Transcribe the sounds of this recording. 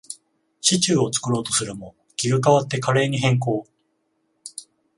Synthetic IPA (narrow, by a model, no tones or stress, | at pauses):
ɕit͡ɕɨːo̞t͡sɨ̥kɯ̟ɾo̞ːt̪osɨɾɯ̟mo̞ | kʲiɡɯ̟kaβat̪ːe̞kaɾe̞ːɲ̟iɦẽ̞ŋk̬o̞ː